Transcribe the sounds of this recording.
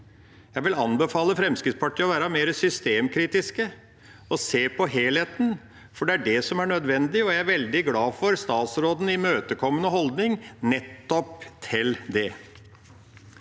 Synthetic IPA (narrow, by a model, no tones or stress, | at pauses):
jæɪʋɪlɑnbəfɑːləfɾɛmskɾɪt̪spɑʈʰːiːɔʋæːɾɑmeːɾəsʏst̪eːmkʰɾiːt̪ɪskə | ɔseːpʰɔɦeːleːt̪n̩ | fɔɖɛæɖɛsɔmæɳœd̪ʋɛnd̪ɪɔjæɪæɾʋɛld̪ɪɡlɑːfɔɾst̪ɑːt̪sɾoːd̪n̩ɪmøːt̪əkʰɔmːənəɦɔld̪nɪŋnɛt̪ːɔpt̪ʰɪld̪ɛ